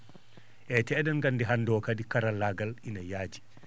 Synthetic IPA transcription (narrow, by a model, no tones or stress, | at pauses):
ʔɛtɛːɗɛnɡandɛɦandɔkadikaɾalːaɡalinajaːd͡ʒi